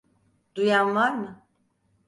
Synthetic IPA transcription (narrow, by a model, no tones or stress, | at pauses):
d̪̥ujanlˠaɾmɯ